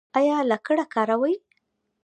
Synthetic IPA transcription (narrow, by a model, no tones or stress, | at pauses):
ɑjɑlakəɽakɑɾawaj